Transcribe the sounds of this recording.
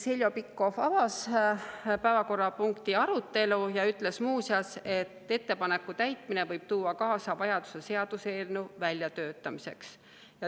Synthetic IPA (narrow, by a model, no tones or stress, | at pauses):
selʲjo̞pikːo̞fɑvɑs | pæevɑko̞rːɑpuŋkt̪iɑɾut̪ːe̞lujɑyt̪ːˑle̞smuːsjɑse̞t̪ːe̞t̪ːe̞pɑne̞kːˑut̪æjt̪mine̞vɤjb̥̚t̪uːɑkɑːsɑvɑjɑd̪u̥se̞se̞ɑd̪̥use̞ːlnuvælʲjɑt̪øːt̪ːˑɑmise̞̰ks | jɑ